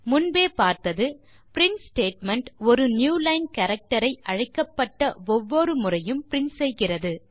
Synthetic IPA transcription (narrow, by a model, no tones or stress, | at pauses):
mʊnbeːpaːɾt̪ɐðɯ | pɪɾɪnsʈeːʈmɐɳʈɔɾɯnjuːlɐɪnkɐɾɐk̚ʈɐɾɐɪʔɐɻɐɪkːɐpːɐʈːɐɔʋːɔɾɯmʊrɐjɯmpɪɾɪnsɛjɣɪrɐðɯ